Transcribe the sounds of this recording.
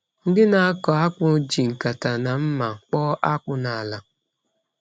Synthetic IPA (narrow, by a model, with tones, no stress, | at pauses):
n̩˦dɪ˦na˨a˦kɔ˨a˦kʊ˨˦d͡ʒi˨ŋ̩˨ka˨ta˨na˨m̩˦ma˨k͡pɔ˦ʔa˦kʊ˦na˨a˨la˨